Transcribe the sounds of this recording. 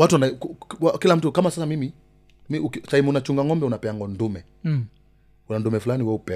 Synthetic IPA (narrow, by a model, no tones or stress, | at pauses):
watuanakakilam̩tukamasasamimi | miuksaimunat͡ʃuŋɡaŋɔmbɛunapɛaŋɡɔndumɛ | unandumɛfulaniwɛupɛ